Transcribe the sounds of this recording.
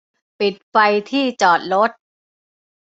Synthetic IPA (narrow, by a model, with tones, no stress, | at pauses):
pi˨˩t̪̚fa˧jt̪ʰiː˥˩t͡ɕɔː˨˩t̪̚ɾo˦˥t̪̚